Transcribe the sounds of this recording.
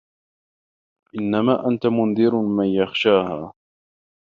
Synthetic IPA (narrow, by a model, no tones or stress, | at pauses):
ʔɪnːamaːʔant̪amʊnd̪ɪɾmanjaxʃaːhaː